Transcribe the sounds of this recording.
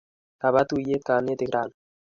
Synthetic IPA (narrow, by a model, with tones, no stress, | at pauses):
ka˨βa˦t̪u˦je˦ka˨ne˦t̪e˨ɡɾa˨n